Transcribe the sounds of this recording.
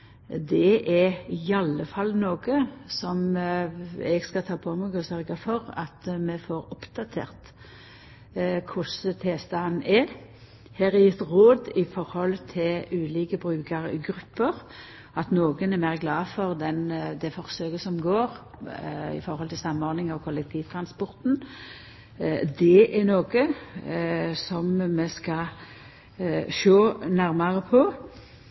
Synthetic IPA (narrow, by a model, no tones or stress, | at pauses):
d̪ɛʔɛɾɪɑlːəfɑlːnoːɡəsɔm | ɛ̰ɡskɑt̪ʰɑːpʰomɛɡɔsœɾɡəfɔɾɑ̰t̪mɛfoɾʊpd̪ɑt̪ʰḛːʁt̪ | kʰʊsət̪ʰeːst̪ɑnɛ | hæːɾæjɪt̪ʁoːd̪ɪfɔɾhɔlt̪ʰɪlʉːliːkəbɾʉːkəɾəɡɾʉpːəɾ | ɑt̪noːɡənɛmæːɾɡlɑːfɔʁd̪ɛnd̪ɛfɔʁsøːɡəsɔmɡoːɾ | ɪ̰fɔɾhɔlt̪ʰɪlsɑmːɔɾd̪nɪŋɑʋkʰɔlːɛk̚t̪ʰiːʋt̪ʰɾɑnspɔɾt̪n | d̪ɛʔɛnoːɡə | sɔmːɛskɑ | ʃoːnæɾmɑʁəpʰɔ